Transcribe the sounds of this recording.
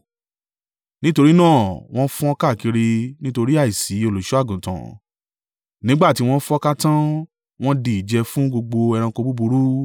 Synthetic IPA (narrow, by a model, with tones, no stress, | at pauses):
nĩ˦to˧ɾi˦nãː˦˨w̃ɔ̃˦fũ˦ɔ˦ka˦˨ki˧ɾi˧nĩ˦to˧ɾi˦a˦˨i˨si˨˦o˧lo˨ʃu˦a˦˨ɡũ˨tã̰˨ | nĩ˨˦ɡ͡ba˦˨ti˦w̃ɔ̃˦fũ˦ɔ˦ka˦tã˦ | w̃ɔ̃˦di˦˨i˨d͡ʒɛ˧fũ˦ɡo˧ɡ͡bo˧ɛ˧ɾ̃ã˧ko˧bu˦bu˧ɾu˦